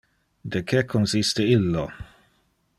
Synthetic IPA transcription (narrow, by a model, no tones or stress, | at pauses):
d̪ɛkʰɛkʰːɔnsɪst̪ɛɪlːo